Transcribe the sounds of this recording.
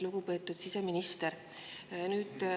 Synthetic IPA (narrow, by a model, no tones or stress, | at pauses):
luɡ̥upe̞ːt̪ːˑud̪̥siseminist̪eɾ | nyːd̪̥